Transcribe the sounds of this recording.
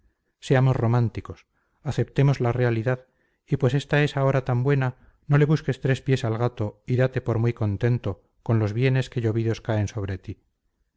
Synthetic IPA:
se̞amo̞sro̞mant̪iko̞s | aθe̞p̚t̪e̞mo̞zlare̞aliðað | ipwe̞se̞st̪ae̞sao̞ɾat̪ambwe̞na | no̞le̞βuske̞st̪ɾe̞spje̞salɣat̪o̞iðat̪e̞po̞ɾmwijko̞nt̪e̞nt̪o̞ | ko̞nlo̞zβje̞ne̞ske̞ʝo̞βiðo̞skae̞nso̞βɾe̞t̪i

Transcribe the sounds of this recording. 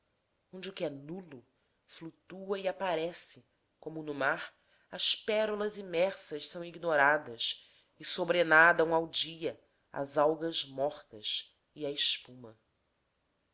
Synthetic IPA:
õnd͡ʒɪukɪɛnulʊ | flut̪uɐiapaɾɛsɪ | kõmʊnʊmaɾ | ɐspɛɾulɐzimɛɾsɐʃsɐ̃w̃iɡnoɾad̪ɐs | ɪsobɾenad̪ɐ̃w̃awd͡ʒiɐ | a̰zawɡɐzmɔχt̪ɐs | iɐeʃpũmɐ

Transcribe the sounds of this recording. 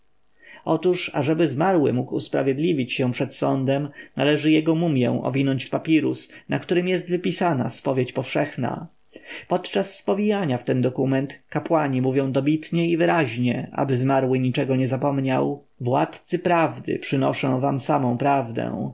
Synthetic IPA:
ɔt̪uʂa̰ʐɛbɘzmaɾwɘ̰mukṵspɾa̰vʲjɛd̪lʲivʲit͡ɕɕɛ̃w̃pʂɛt̪sɔnd̪ɛmna̰lɛʐɘjɛɡɔmumʲjɛ̰̃w̃ʔɔ̰vʲinɔɲt͡ɕfpapʲiɾṵsnʔakt̪uɾɘmjɛst̪vɘpʲisana̰spɔvʲjet͡ɕpɔfʂɛxna̰ | pɔt̪t͡ʂasːpɔvʲijaɲaft̪ɛnd̪ɔkumɛnt̪kapwaɲimuvʲjɔ̃w̃d̪ɔbʲit̪ɲɛivɘɾaʑɲɛʔa̰bɘzmaɾwɘɲit͡ʂɛɡɔɲɛzapɔmɲaw | vwa̰t̪t̪sɘpɾavd̪ɘ̰pʂɘnɔ̰ʂɔ̃w̃vamsamɔ̃w̃pɾavd̪ɛ̰̃w̃

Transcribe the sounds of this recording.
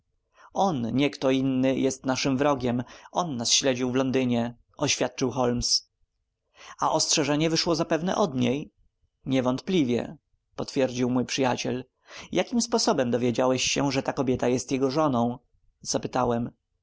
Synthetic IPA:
ɔnɲɛkt̪ɔinːɘjɛst̪naʂɘmvɾɔɡʲɛmʔɔnːasɕlɛd͡ʑiwvlɔnd̪ɘɲɛ | ʔɔɕfʲjat̪̚t͡ʂɨwxɔlms | aʔɔstʂɛʐɛɲɛvɘʂwɔzapɛvnɛ̰ʔɔd̪ɲej | ɲɛvɔnt̪plʲivʲjɛ̰ | pɔt̪fʲjɛɾd͡ʑiwmujpʂɘjat͡ɕɛl | jʔakʲimspɔsɔbɛmd̪ɔvʲjed͡ʑawɛɕɕɛʐɛt̪akɔbʲjɛt̪ajɛst̪jɛɡɔʐɔnɔ̃w̃ | z̥apɘt̪awɛm

